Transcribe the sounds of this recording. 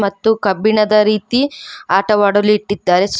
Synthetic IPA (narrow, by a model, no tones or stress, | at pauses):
mɐt̪ːukɐbiɳɐd̪ɐɾiːt̪iaːʈɐʋaːɽɐliʈːid̪ːaːɾes